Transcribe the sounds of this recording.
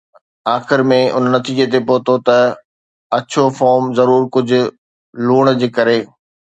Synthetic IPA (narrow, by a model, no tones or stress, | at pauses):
aːxɪɾmẽʔʊ̰nnɐt̪iːd͡ʑet̪̬epoːt̪ot̪ɐ | ɐt͡ɕʰofɔːɾmzɐɾuːɾkʊd͡ʑʱʊ̆ | luːɽ̃d͡ʑeːkɐɾeː